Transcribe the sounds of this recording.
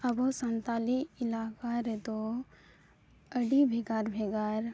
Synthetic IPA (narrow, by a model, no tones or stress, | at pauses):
ɐbosə̃nt̪aːliɪlaːkaɾet̪o | əɖibʱeɡaːɾbʱeɡaɾ